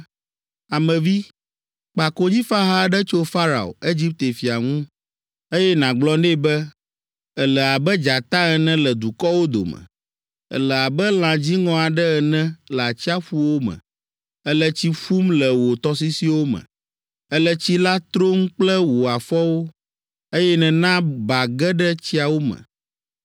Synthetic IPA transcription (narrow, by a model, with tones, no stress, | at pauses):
a˨mɛ̃˨vi˦ | k͡pa˨ko˦ɲĩ˦fa˦ɦa˦ɖɛ˦t͡ʃo˦fa˦ɾa̰˨o̰˨e˦d͡ʑi˦p̚t̪e˨fi˨a̰˨ŋũ˦ | e˦jɛ˦nã˨ɡ͡blɔ˦ne˦˨bɛ˦ | ɛ˨lɛ˨a˨bɛ˦d͡ʒa˨t̪a˦ɛ˨nɛ̃˦lə˨d̪u˨kɔ˦wo˦d̪o̰˨mə̰̃˨ | ə̰˨lə˨a˨bɛ˦l̃ã˨d͡ʑi˦ŋɔ̃˨a˨ɖɛ˦ɛ˨nɛ̃˦lɛ˨a˨t͡ɕi˦a˦ɸu˦wo˦mɛ̰̃˨ | ɛ˦lə˦t͡ɕi˦fu˦mlə˨wo˨t̪ɔ˦s̬i˦si˦wo˦mə̰̃˨ | ə˦lə˦t͡ɕi˦la˦t̪ɾo˦ŋ̩˦k͡plɛ˦wo˨a˨fɔ˦wo˦ | e˦jɛ˦nɛ̃˨nã˦ba˨ɡɛ˦ɖɛ˦t͡ɕi˦a˨wo˦mə̰̃˨